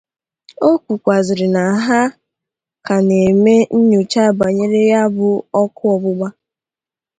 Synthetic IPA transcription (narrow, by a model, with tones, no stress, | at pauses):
o˦kʷu˨kʷa˨zɪ˨ɾɪ˨na˨ɦa˦ | ka˨ne˨me˦n̩˦ɲo˨t͡ʃa˦˨ba˨ɲe˦ɾe˦ja˦bʊ˦ɔ˦kʊ˦ɔ˨bʊ˦ɡ͡ba˦